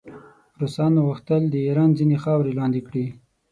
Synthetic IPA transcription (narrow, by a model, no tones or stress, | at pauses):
ɾosɑnaɣuxt̪əld̪əiɾɑnzinexɑwɾelɑnd̪ikɽi